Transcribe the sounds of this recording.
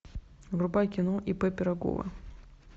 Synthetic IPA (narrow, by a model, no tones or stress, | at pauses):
ɡɾʊbajkʲɪnoʔipɛpʲɪɾɐɡo̰və̰